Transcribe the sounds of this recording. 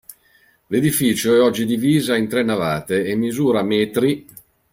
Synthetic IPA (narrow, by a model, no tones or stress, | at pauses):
led̪ifiːt͡ʃoɛɔd͡ʒːid̪iviːzaint̪ɾɛnːava̰ːt̪eːmːizuːɾamɛːt̪ɾi